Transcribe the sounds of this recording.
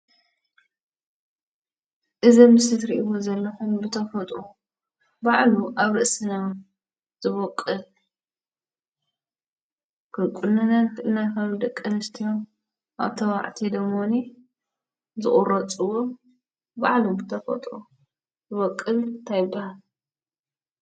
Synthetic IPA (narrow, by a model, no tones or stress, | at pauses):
ʔɨzɐmɨsɨt̪ɾḭʔiwozɐlːɐxumbɨt̪ʰɐfɐt̪ʼu | baʕluʔaβɾɨʔsɨna | z̥ɨβokʼːɨl | kɨkʼunːɐnat̪ɨnːakɐmd̪ɐkʼːɐnɨst̪ʰijom | ʔa̰βt̪ʰɐwa̰ʕt̪ʰid̪ɐmoni | zɨ̰χʼurɐt͡sʼuwo | baʕlubɨt̪ʰɐfɐ̰t̪ʼu | zɨβɔkʼːɨlnt̪ʰajɪbːahal